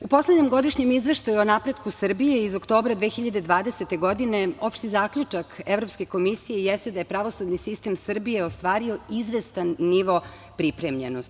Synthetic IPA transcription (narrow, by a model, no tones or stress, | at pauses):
upo̞sledɲemɡo̞d̪iʃɲemizʋeʃt̪ajuonapɾe̞d̪kusr̩bije̞izokt̪o̞ːbɾad̪ʋeːxiʎad̪ed̪ʋaːd̪e̞se̞t̪e̞ɡo̞d̪ine̞o̞pʃt̪izaːkʎut͡ʂake̞vɾopske̞ko̞misijejest̪ed̪aje̞pɾaʋo̞sud̪nisist̪e̞msr̩bije̞ost̪ʋaːɾio̞izʋe̞st̪anːiʋo̞ | pɾipɾemʎenos